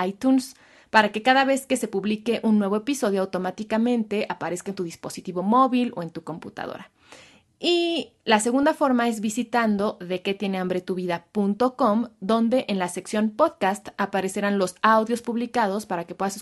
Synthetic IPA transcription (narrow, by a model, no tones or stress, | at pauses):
ajt̪uns | paɾake̞kaðaβ̞e̞ske̞se̞puβlike̞ʔunːwe̞β̞o̞episo̞ð̞joawt̪o̞mat̪ikamẽ̞nt̪e̞ʔapaɾe̞skaent̪uðispo̞sit̪iβo̞mo̞βilo̞̰e̞nt̪uko̞mpṵt̪a̰ðo̰ɾa | i | lase̞ɣũnd̪afo̞ɾmae̞zβisit̪and̪o̞ðe̞ke̞t̪je̞ne̞ambɾe̞t̪uβiðapunt̪o̞ko̞md̪o̞nd̪e̞ʔenlase̞ksjo̞npoðkast̪apaɾe̞seɾanlo̞sawðjo̞spuβlikað̞o̞spaɾake̞pwe̞ðas